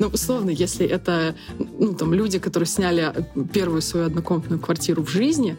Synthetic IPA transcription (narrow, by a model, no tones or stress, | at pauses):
noʔʊslˠo̞vnəjesʲlʲɪʔɛt̪ənut̪amlʲudʲɪkɐt̪o̞ɾɨjsʲnʲælʲɪpʲe̞rvʊjʊsvɐjuɐd̪nɐko̞mt̪nʊjʊkvɐrtʲiɾʊvʐɨzʲnʲɪ